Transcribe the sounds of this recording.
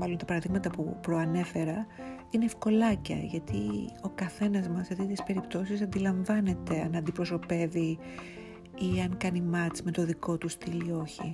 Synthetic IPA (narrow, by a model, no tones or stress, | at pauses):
mɐlo̞nt̪ɐpɐɾɐðiɣmɐt̪ɐpṵpɾo̞ɐne̞fe̞ɾɐ | ineːfko̞lɐcɐ̰ʝɐt̪io̞kɐθe̞nɐzmɐset̪it̪ispe̞ɾipt̪o̞sis̬ɐnd̪ilɐɱvɐne̞t̪e̞ɐnɐnd̪ipɾo̞so̞pe̞vi | iɐŋkɐnimɐt͡sme̞t̪o̞ðiko̞t̪ust̪ilio̞çḭ